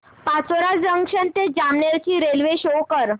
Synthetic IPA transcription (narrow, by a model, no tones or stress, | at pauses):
pat͡soɾad͡zəŋkʂənt̪ed͡ʑamneɾt͡ɕiːɾelʋeɕowkəɾ